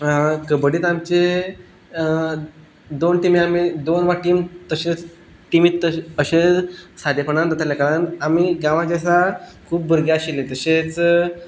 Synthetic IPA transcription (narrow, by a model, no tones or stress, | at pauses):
kəbəɽiːt̪amt͡ɕe | d̪onʈimiamid̪onʋaʈiːmt̪əɕẽt͡s | ʈimiːt̪əəɕesad̪jepəɳand̪ət̪aljakaɭanamiɡãʋãd͡ʑasakʰuːp̚bʱəɾɡjaɕilẽt̪əɕet͡s